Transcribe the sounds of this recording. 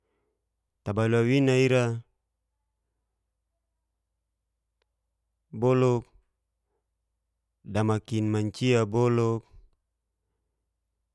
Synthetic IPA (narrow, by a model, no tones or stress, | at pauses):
t̪abaluawinaiɾa | bɔlɔk̚ | damakinmaɲt͡ʃiabolɔk̚